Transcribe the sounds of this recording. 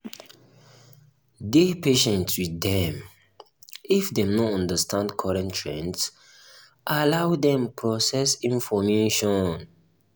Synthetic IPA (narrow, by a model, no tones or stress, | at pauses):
depeʃɛ̃ntswiθɛ̃m | ifdɛ̃mnɔɔ̃ndəstʰãndkʰɔɹɛ̃ntʰɹɛ̃ns | ʔalawdɛ̃mpʰɹɔsɛsĩnfɔmeʃɔ̃n